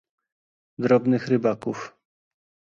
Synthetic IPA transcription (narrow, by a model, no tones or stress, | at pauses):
d̪ɾɔbnɘxɾɘbakuf